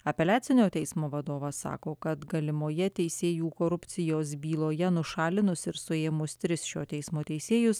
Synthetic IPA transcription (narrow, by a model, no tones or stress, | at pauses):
ɐpʲɛlʲæːt̪sʲɪnʲoːt̪ʲɛɪsmoːʋɐd̪oːʋɐsɑ̰ːkoːkɐt̪ɡɐlʲɪmoːjɛt̪ʲɛɪsʲeːjuːkoːɾʊpʲt̪sʲɪjoːsbʲiːlˠoːjɛnʊʃɑːlʲɪnʊsɪɾsʊeːmʊst̪ʲɾʲɪsʃʲoːt̪ʲɛɪsmoːt̪ʲɛɪsʲeːjʊs